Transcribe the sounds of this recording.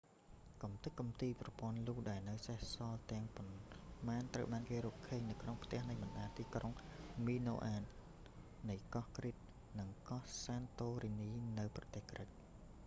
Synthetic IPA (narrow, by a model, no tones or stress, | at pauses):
kɑmt̪ɨk̚kːɑmt̪iːprɑpŏənluːhɗaɛlnɨwsəhsɑlt̪ɛ̆əŋpɑnmaːnt̪rəwɓaːnkeːɾɔːkkʰːəːɲnɨwkʰnoŋpʰt̪ɛ̆əhnɨjmɑnɗaːt̪iːkroŋmiːno̰ːʔaːn | nɨjkɑhkrit̪̚ | nɨŋkɑhsaːnt̪oːriniːnɨwprɑt̪eːhkrəc̚